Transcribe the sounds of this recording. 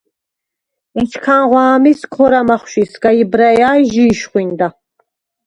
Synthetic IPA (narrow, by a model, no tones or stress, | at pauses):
ɛt͡ʃʰkʰanʁwaːmiskʰɔɾamaχʃisɡ̥ajibɾajaːjʒiːʃχwind̪a